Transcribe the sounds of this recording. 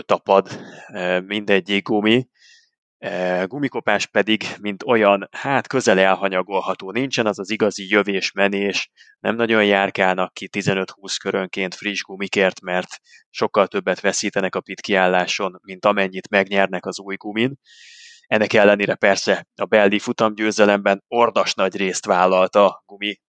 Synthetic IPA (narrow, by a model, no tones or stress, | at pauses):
t̪ɒpɒd̪ | mind̪ɛɟːiɡɡumi | ɡumiko̞paːʃpɛd̪iɡmint̪o̞jɒnhaːt̪kø̞zɛlɛlɦɒɲɒɡo̞lɦɒt̪oːnint͡ʃɛnɛzɒziɡɒzijøveːʃmɛneːʃ | nɛ̰mnɒɟo̞jjaːrkaːnɒkːit̪izɛnøt̪huːskøɾø̞ŋkeːnt̪friʒɡumikeːrt̪mɛrt̪ | ʃo̞kːɒlt̪ø̞bːɛt̪ʋɛsiːt̪ɛnɛkɒpit̪kiaːlːaːʃo̞nmint̪ɒmɛɲːit̪mɛɡɲɛrnɛkɒzuːjɡumin | ɛnːɛkɛlːɛneːɾɛpɛrsɛɒbɛlːifut̪ɒmɟøːzɛlɛmbɛno̞rd̪ɒʃnɒɟreːst̪ʋaːlːɒlt̪ɒɡumi